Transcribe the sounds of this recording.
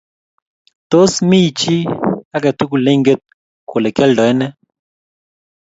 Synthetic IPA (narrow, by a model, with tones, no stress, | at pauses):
t̪o˦smi˦˨t͡ʃi˦a˦kɛ˨t̪u˦ku˨le˦ŋɡe˦t̪̚ | ko˨le˨kɛ˦ldɔ˨e˦nɛ˦